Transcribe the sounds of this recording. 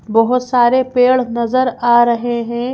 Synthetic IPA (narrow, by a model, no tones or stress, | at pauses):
bɔɦʊt̪saːɾepeːɭnɐzəɾaːɾɐɦeɦɛ̃ː